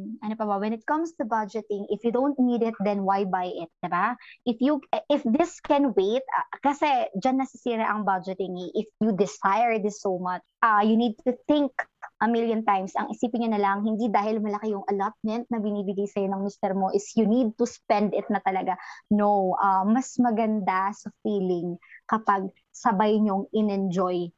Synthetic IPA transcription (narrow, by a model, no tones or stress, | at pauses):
ʔɐnopɐbɐwɛnɪt̪̚kɐ̃mst̪ʊbɐd͡ʒɛt̪ɪ̃ŋɪfjud̪õwnt̪̚nid̪ɪt̪̚d̪ɛnwajbajʔɪt̪̚d̪ɪbaʔɪfjuɪfðɪskɛnweɪt̪̚ɐkɐsɛd͡ʒanːɐsɪsiːɾɛʔɐŋbɐd͡ʒɛt̪ɪŋɛʔɪfjud̪ɪsajɛɹd̪ɪsːomɐt͡ʃʔɐjunid̪̚t̪uθɪŋkʔɐmɪljɐ̃nt̪ajmsɐ̰ŋʔɪsiːpɪnɲonɐlaɐŋhɪnd̪id̪aːhɪlmɐlɐkɪjʊŋʔɐlat̪̚mɛnt̪̚nɐbɪniːbɪɡajsɐjo̞nɐŋmɪst̪ɛɾmo̞ʔɪsjʊnid̪̚t̪uspɛnd̪ɪt̪̚nɐt̪ɐlɐɡanowʔɐmɐsmɐɡɐnd̪asɐfiːlɪŋkɐpaɡ̚ | sɐbajɲoŋɪnɛnd͡ʒoj